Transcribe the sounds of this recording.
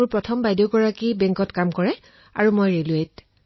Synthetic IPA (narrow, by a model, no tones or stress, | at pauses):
uɹpɹɔtʰɔmbajdoɡɔɹakibɛ̃ŋkɔtkamkɔɹɛ | a̰ɹumojɹeluet